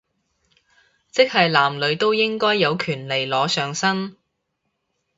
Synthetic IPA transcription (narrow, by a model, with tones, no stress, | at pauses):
t͡sɪ˥k̚hɐ˨jlaː˨˩mlɵ˨˧ɥt̪o˥wjɪ˥ŋkɔː˥jːɐ˨˧wkʰyː˨˩nle˨jlɔː˨˧sœː˨ŋsɐ˥n